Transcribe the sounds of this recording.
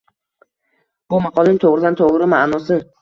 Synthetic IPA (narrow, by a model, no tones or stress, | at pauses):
b̥ʊmaqʰɒlˠɪnt̪ʰoʁɾɪd̪ant̪ʰoʁɾɪmaʔnɒsɪn